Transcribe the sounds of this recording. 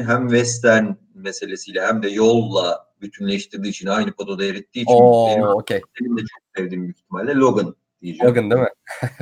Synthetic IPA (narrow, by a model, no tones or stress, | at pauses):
ɦæmvɛst̪ʰæɾn | mese̞lʲesijlʲɛɦæmd̪ɛjolˠːabyt̪ʰynlʲejiʃt̪ʰiɾd̪iːt͡ʃʰinajnɯpot̪ʰo̞d̪aeɾit̪ʰːiːoineoeenimd̪ɛt͡ʃʰo̞k̚sɛvd̪iːmbiçʰi̥t̪ʰimɛlʲd̪ʲɛlʲo̞ɡɯn | d̪̥ijid͡ʒɛɡɯnd̪imɪ